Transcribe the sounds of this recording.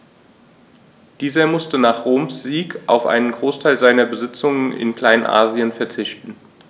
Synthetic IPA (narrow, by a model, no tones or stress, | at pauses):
d̥iːzɐmʊstənaːχʁoːmsz̥iːkʰʔaʊfʔa̰ɪnənɡʁoːstʰaɪlzaɪnɐbəzɪt͡sʊŋənɪ̰nkl̥aɪnʔa̰ːziənfɛɐt͡sɪçtn̩